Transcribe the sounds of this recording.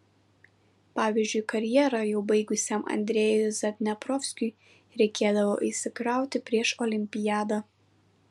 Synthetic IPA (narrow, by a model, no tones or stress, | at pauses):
pɑːʋʲiːzʲd͡ʒʲʊjkɐɾʲjiɛɾɐjɛʊbɐɪɡʊsʲɛmʔɐ̰nʲd̪ʲɾʲɛːjʊzɐt̪ʲnʲɛpɾɔːfʲsʲkʲʊj | ɾʲɛɪkʲeːd̪ɐʋoːʔisʲɪkɾɑˑʊt̪ʲɪpʲɾʲiɛʃoːlʲɪmʲpʲɪjæːd̪ɐ